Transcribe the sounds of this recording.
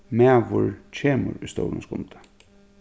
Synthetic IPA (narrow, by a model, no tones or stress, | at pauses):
mæːʋʊɹt͡ɕʰeːmʊ̰ɾujst̪o̰wlʊnsɡʊnt̪ḁ